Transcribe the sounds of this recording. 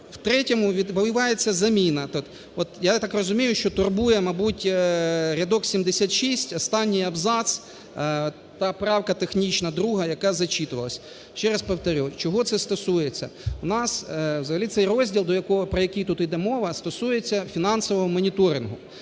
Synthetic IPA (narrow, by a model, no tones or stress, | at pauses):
wt̪ɾɛtʲɔmʊʋʲid̪ʋɐʋʲɪʋɑjet͡sʲːɐzɐmʲinɐt̪ɔ | ɔt̪jat̪ɑkrɔzʊmʲijʊʃt͡ʃɔt̪ʊrbujɛmɐbutʲɾʲɐd̪ɔksʲimd̪esʲat̪ʃisʲtʲɔst̪ɑnʲːijɐbzɑt̪s | t̪ɑpɾɑwkɐt̪exnʲit͡ʃnɐd̪ɾuɦɐjɐkɑzɐt͡ʃit̪ʊʋɐlˠɐsʲ | t͡ʃɛɾɐspɐwt̪ɐɾʲɔt͡ʃɔɦɔt̪sɛst̪ɔsujet͡sʲːɐ̰wnɑswzɐɦɐlʲit̪sɛjrɔzʲdʲilˠd̪ɔjɐkɔɦɔpɾɔjɐkʲijt̪ut̪ɪjd̪ɛmɔʋɐst̪ɔsujet͡sʲːɐfʲinɑnsɔʋɔɦɔmɔnʲit̪ɔɾʲɪnɦʊ